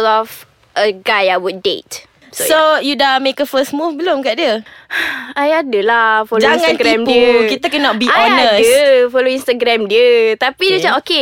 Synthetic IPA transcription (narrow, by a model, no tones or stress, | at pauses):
lɔf | ʔəɡajawut̚dḛt | sojudamekəfəsmufbəlomkaʔdiəaajadəlafold͡ʒaŋãnɡɾɛ̃mdikit̪akɛnɔt̪̚biʔɔnəiəfoloinst̪aɡɾɛ̃mdiət̪apidiət͡ʃapoke